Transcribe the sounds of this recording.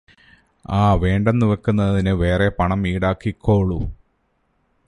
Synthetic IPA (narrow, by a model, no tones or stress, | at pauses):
aːʋeːɳɖɐnːuʋekːunːɐðinɨʋe̞ːrepɐɳɐmiːɽaːkːikʰːoːɭu